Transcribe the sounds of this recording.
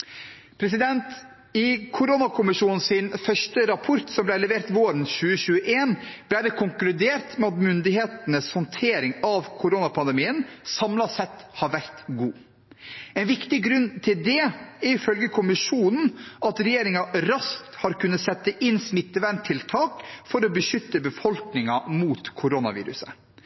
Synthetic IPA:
pʰɾɛs̬ɪd̪ɛnt̪ | ɪkʰʊɾonɑkʰʊmɪʂuːnn̩sɪnfœʂʈəɾɑpʰɔɾt̪sɔmblæɪlɛʋeːɾt̪ʋoːɾən̩çʉːəçʉːəʔeːnb̥læɪd̪ɛkʰʊŋklʉd̪eːɾt̪mɛɑt̪mʏnd̪ɪheːt̪ənəshɔnt̪ʰeːɾɪŋɑʋkʰʊɾoːnɑpʰɑnd̪əmiːənsɑmlɑsɛt̪ːhɑɾʋæɾt̪ɡuː | ɛnʋɪkt̪ɪɡɾʉnːt̪ʰɪld̪ɛæɪfœlɡəkʰʊmɪʃuːnn̩ɑt̪ɾɛjeːɾɪŋɑɾɑskt̪hɑɾkʉnːətsɛt̪ːəʔɪnsmɪt̪ːəʋænt̪ʰɪlt̪ʰɑːkfɔɾɔbəʃʏt̪ːəbəfɔlknɪŋɑmuːt̪kʰʊɾoːnɑ̰ʋḭːɾʉ̰sə̰

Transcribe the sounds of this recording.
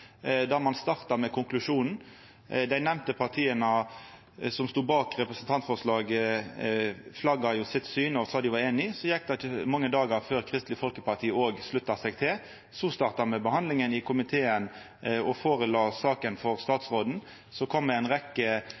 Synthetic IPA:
d̪æʁmɑnst̪ɑʁt̪ɑmɛkʰʊŋklʉʂuːnn̩ | d̪æɪnɛʋnt̪əpʰɑʁt̪ʰiːənə | sɔmst̪uːbɑːkʁɛpʁəsən̩t̪ʰɑnt̪fɔʁslɑːɡ | flɑɡɑjʊsɪt̪syːnɔsɑːd̪ɪʋɑɾeːnɪsɔjɛk̚d̪ɛəmɑŋːəd̪ɑːɡɑɾføːʁkʰʁɪst̪lɪfɔlkəpɑʁt̪ʰiːəoːɡslʉt̪ːɑsɛɡt̪ʰɪl | sɔst̪ɑʁt̪ɑmɛbəhɑnd̪lɪŋənɪkʰʊmɪt̪ʰeːən | ɔfoːʁəloːsɑːkənfɔʁst̪ɑːt̪sʁoːd̪n̩ | sɔkʰɔmd̪ɛæɪnʁɛkːə

